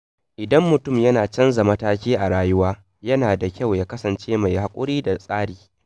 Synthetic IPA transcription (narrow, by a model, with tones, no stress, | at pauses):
ʔɪ˨dɐ˦mːʊ˨tʊ˦˨mjɐ˦naː˨t͡ʃɐ˦nza˨mɐ˦taː˦kʲiː˦ʔa˨ɽaː˦jʊ˦waː˦ | jɐ˦naː˨da˨kʲɐ˦˨wjaː˦kɐ˦sɐ˨nt͡ʃeː˦ma˨jha˨kʷʼʊ˦ɽiː˦da˨sʼaː˦ɽiː˨